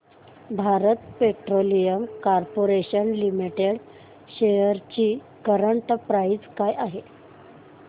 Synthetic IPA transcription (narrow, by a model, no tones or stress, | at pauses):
bʱaɾət̪peʈɾolijəmkaɾpoɾeɕənlimiʈeɽ | ɕejəɾt͡ɕiː | kəɾəɳʈpɾaid͡zkajʔaɦe